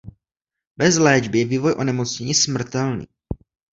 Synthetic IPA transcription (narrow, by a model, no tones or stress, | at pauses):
bɛzlɛːd͡ʒbɪjɛviːvojʔonɛmot͡sɲɛɲismr̩t̪ɛlnḭː